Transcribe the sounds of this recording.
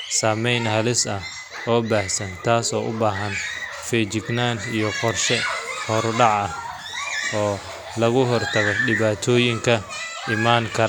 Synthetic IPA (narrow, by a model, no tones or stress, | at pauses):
saːmɛjnɦɐlɪsɐh | ɔːbaːhsɐnt̪ʰaːsɔːʔʊ̰baːɦɐn | fɛːt͡ʃɪɡnaːnijɔqɔrʃɛhɔɾɖɑʕɐ | ɔː | lɐɣʊɦɔrt̪ʰɐɣɔɖɪβaːt̪ʰɔːjɪŋkʰɐ | ɪmaːŋkʰɐ